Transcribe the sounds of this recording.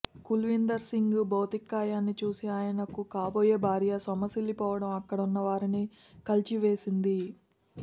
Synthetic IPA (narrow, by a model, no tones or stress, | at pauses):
kulʋind̪ɐɾsiŋɡbɐwt̪ikːaːjaːnːit͡ʃuːsiaːjɐnɐkukaːboːjeːbʱaːɾjɐsɐmɐsilːipɔːʋɐɽɐmɐkːɐɽɐunːɐʋaːɾini | kɐlt͡ʃiʋe̞ːsind̪i